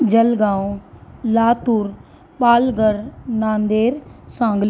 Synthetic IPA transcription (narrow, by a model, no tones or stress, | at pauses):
d͡ʒəlɡãːõlaːt̪uɾ | paːlɡəɾnãːnd̪eːɾsãːŋɡl